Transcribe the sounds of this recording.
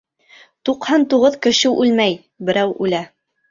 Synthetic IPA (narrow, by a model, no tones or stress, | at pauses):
t̪uqhɑnt̪uʁɤðkɘ̆ʃɘʔʉlmæj | bɘ̆ɾæwʉlæ